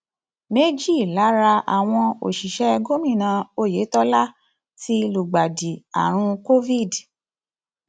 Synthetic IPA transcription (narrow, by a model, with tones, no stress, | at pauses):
me˦d͡ʒi˦˨la˨˦ɾa˧a̰˨w̃ɔ̃˧o̰˨ʃi˨ʃɛ˦˧ɡo˦mĩ˦˨nã˧o˦˨je˨˦tɔ˦la˦ | ti˦˧lu˨ɡ͡ba˨di˨a̰˨ɾ̃ũ˧ko˦vi˦˨d